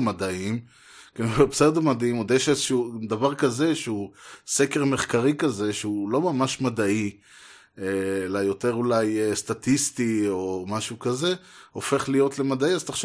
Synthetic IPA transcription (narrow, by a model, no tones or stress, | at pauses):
mad̪aim | kenevepsed̪omad̪aimod̪jeʃezeʃud̪avaʁkaze̞ʃeusekeʁme̞χkaʁikaze̞ʃeulo̞mamaʃmad̪ai | elajo̞t̪e̞ʁulajest̪at̪ist̪io̞maʃukaze̞ofe̞χlijo̞t̪lemad̪aiazt̪aχʃ